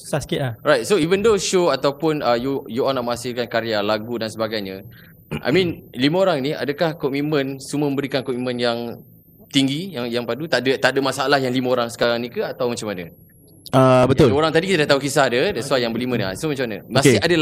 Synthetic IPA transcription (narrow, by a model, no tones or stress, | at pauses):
sasə̥kɪtaɾajt̪̚soivəndoʃoat̪awpʊnəjujuanaʔmə̃hasɪlkankaɾialaɡudansəbaɡajɲə̃ | ʔa̰jmĩnliməoɾaŋnia̰dəkahkɔmĩt̪mə̃nsuməmə̃mbəɾikankɔmitmə̃njaŋ | t̪iŋɡijaŋjaŋpadut̪adət̪adəmasalahjaŋliməoɾaŋsə̥kaɾaŋnĩkəat̪awmat͡ʃamːanə | əbət̪ʊloɾaŋt̪adikit̪adaht̪aukisahdədɛsuajaŋbəlimənasomat͡ʃamanə̰mãɪadəl